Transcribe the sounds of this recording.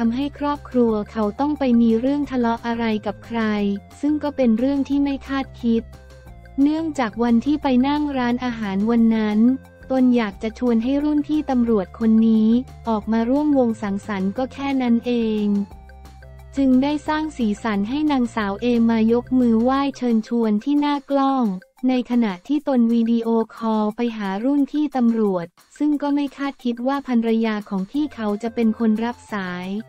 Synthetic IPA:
tʰa˧mɦa˥˩jkʰɾɔː˥˩p̚kʰɾu˧ɐkʰa˦˥wt̪ɔ˥˩ŋpa˧jmiː˧ɾɯ˥˩əŋt̪ʰa˧lɔ˦˥ʔa˧ɾa˧jka˨˩p̚kʰɾa˧jsɯ˥˩ŋkɔː˥˩pe˧nɾɯ˥˩əŋt̪ʰiː˥˩ma˥˩jkʰaː˥˩t̪̚kʰi˦˥t̪̚ | nɯ˥˩əŋt͡ɕaː˨˩k̚wa˧nt̪ʰiː˥˩pa˧jna˥˩ŋɾaː˦˥nʔaː˧ɦaː˩˦nwa˧nːa˦˥n | t̪o˧njaː˨˩k̚t͡ɕa˨˩t͡ɕʰu˧ənɦa˥˩jɾu˥˩nt̪ʰiː˥˩t̪a˧mɾu˨˩ət̪̚kʰo˧nːiː˦˥ | ʔɔː˨˩k̚maː˧ɾu˥˩əmwo˧ŋsa˩˦ŋsa˩˦nkɔː˥˩kʰɛː˥˩na˦˥nʔeː˧ŋ | t͡ɕɯ˧ŋdaː˥˩jsaː˥˩ŋsiː˩˦sa˩˦nɦa˥˩jnaː˧ŋsaː˩˦wʔeː˧ŋmaː˧jo˦˥k̚mɯː˧waː˥˩jt͡ɕʰɤː˧nt͡ɕʰu˧ənt̪ʰiː˥˩naː˥˩klɔ˥˩ŋ | na˧jkʰa˧na˨˩ʔt̪ʰːiː˥˩t̪o˧nwiː˧diː˧ʔoː˧kʰɔː˧pa˧jɦaː˩˦ɾu˥˩nt̪ʰiː˥˩t̪a˧mɾu˨˩ət̪̚ | sɯ˥˩ŋkɔː˥˩ma˥˩jkʰaː˥˩t̪̚kʰi˦˥t̪̚waː˥˩pʰa˧nɾa˧jaː˧kʰɔː˩˦ŋt̪ʰiː˥˩kʰa˦˥wt͡ɕa˨˩pe˧nkʰo˧nɾa˦˥p̚saː˩˦j

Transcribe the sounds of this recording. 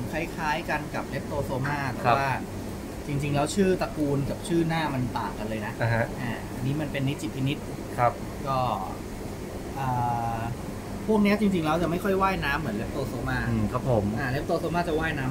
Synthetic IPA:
nkʰa˦˥˩jkʰaː˦˥jka˧nka˨˩p̚le˦˥p̚t̪oː˧soː˧maː˥˩t̪ɛː˨˩˧waː˥˩ | t͡ɕi˧ŋt͡ɕi˧ŋlɛː˦˥wt͡ɕʰɯː˥˩t̪a˧kuː˧nka˨˩p̚t͡ɕʰɯː˥˩naː˥˩ma˧nt̪aː˨˩ŋka˧nlɤː˧jna˦˥ʔa˧ɦa˦˥ʔaː˧˩ʔa˧nːiː˦˥ma˧npe˧nːi˦˥t̪̚t͡ɕi˧˩pʰi˧ni˦˥t̪̚ | kʰa˦˥˩p̚ | kɔː˥˩ | ʔɤː˨˩ | pʰu˥˩ək̚ni˦˥ɐt͡ɕi˧ŋt͡ɕi˧ŋlɛː˦˥wt͡ɕa˨˩ma˥˩jkʰɔ˥˩jwaː˥˩jnaː˦˥mːɯ˩˦nle˦˥p̚t̪oː˧soː˧maː˥˩ɯː˧˩kʰa˦˥pʰo˩˦mʔaː˧˩le˦˥p̚t̪oː˧soː˧maː˥˩t͡ɕa˨˩waː˥˩jnaː˦˥m

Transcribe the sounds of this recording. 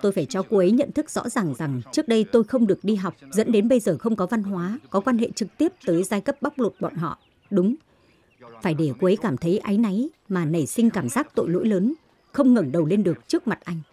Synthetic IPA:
t̪o˧jfaː˧˩jt͡ɕɔ˧ku˧ʔə˨˦jɲə̰˧˨nt̪ʰɨ˦˥k̚z̥ɔ̰˧˥zaː˨˩ŋza˨˩ŋt͡ɕɨ˦˥ək̚ɗə˧jt̪o˧jxə˧wŋ͡mɗɨ˨˩ək̚ɗi˧ɦa˨˩wk͡p̚zə̰˧˥nɗe˨˦nɓə˧jzəː˨˩xə˧wŋ͡mkɔ˨˦va˧nɦwaː˨˦kɔ˨˦kwaː˧nɦḛ˧˨t͡ɕɨ˨˩k̚t̪i˦˥əp̚t̪əː˨˦jzaː˧jkə˦˥p̚ɓa˦˥k͡p̚lo˨˩t̚ɓɔ̰ː˧˨nɦɔ̰˧˨ʔ | ɗʊ˨˦ŋ͡m | faː˧˩jɗe˧˩ku˧˦ʔə˨˦jkaː˧˩mt̪ʰə˨˦jʔa˨˦jna˨˦jmaː˨˩nə˨˧˩sï˧ŋ̟kaː˧˩mzaː˦˥k̚t̪o̰˧˨jlo̰˧˥jləː˨˦n | xə˧wŋ͡mŋə˨˩ŋɗə˨˩wle˧nɗɨ˨˩ək̚t͡ɕɨ˦˥ək̚ma˨˩t̚ʔa˧jŋ̟

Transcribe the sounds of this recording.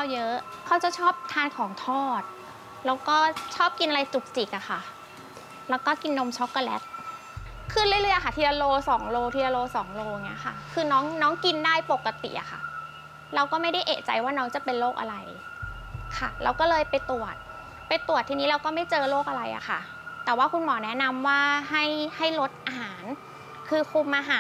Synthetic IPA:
a˧˩wjɤ˦˥ʔkʰa˨˥˩wt͡ɕa˨˩wt͡ɕʰɔː˥˩p̚t̪ʰaː˧nkʰɔː˩˦ŋt̪ʰɔː˥˩t̪̚ | lɛː˦˥wkɔː˥˩t͡ɕʰɔː˥˩p̚ki˧nʔa˧ɾa˧jt͡ɕu˨˩k̚t͡ɕi˨˩k̚ʔa˨˩xʰa˨˩ | lɛː˦˥wkɔː˥˩ki˧nːo˧mt͡ɕʰɔ˦˥kːa˧lɛ̰˦˥t̪̚ | kʰɯ˥˧˩nljlɤ˧˥˩jʔa˨kʰa˥˩t̪ʰi˧ʔa˧loː˧sɔː˩˦ŋloː˧t̪ʰiː˧la˧loː˧sɔː˩˦ŋloː˧ŋi˦˥ɐkʰa̰˥˩kʰɯː˧nɔː˦˥ŋnɔː˦˥ŋki˧ndaː˥˩jpo˨˩kːa˧t̪ḭ˨˩ʔa̰˨˩xʰa̰˥˩ | ɾa˧wkɔː˥˩ma˥˩jda˥˩jʔḛː˨˩t͡ɕa̰˧jwaː˥˩nɔː˦˥ŋt͡ɕa˨˩pe˧nloː˥˩k̚ʔa̰˧ɾa˧j | kʰa˥˩la̰˧wkɔː˥˩lɤː˧jpa˧jt̪u˨˩ət̪̚ | pa˧jt̪u˨˩ət̪ʰːiː˧niː˦˥ɾa˧wkɔː˥˩ma˥˩jt͡ɕɤː˧loː˥˩k̚ʔa˧ɾa˧jʔa̰˨˩xa̰˥˩ | t̪ɛː˨˩waː˥˩kʰu˧nmɔː˩˦nɛ˦˥na˧mwaː˥˩ɦa˥˩jha˥˩jlo˦˥t̪̚ʔa˧ɦaː˩˦n | kʰɯː˧kʰu˧mʔa˧ɦaː˨˦

